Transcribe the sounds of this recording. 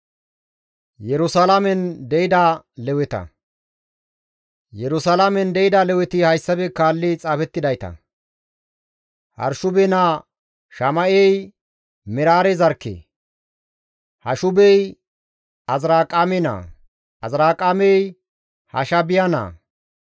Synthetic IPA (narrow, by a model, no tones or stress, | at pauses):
jɛɾʊsalamɛnd̪ɛɪd̪alɛwɛt̪ɐ̰ | jɛɾʊsalamɛnd̪ɛɪd̪ɐlɛwɛt̪ɪhɐjsːɐbɛkaːlːɪt͡sʼaːfɛt̪ːɪd̪ɐjt̪ɐ̰ | hɐ̰ɾʃʊbɛnaː | ʃɐmɐʔɛj | mɪɾaːɾɛzɐɾkːḛː | hɐ̰ʃʊbɛj | ɐzɾaːkʼːamɛna̰ː | ɐzɾaːkʼamɛj | hɐ̰ʃɐbɪjana̰ː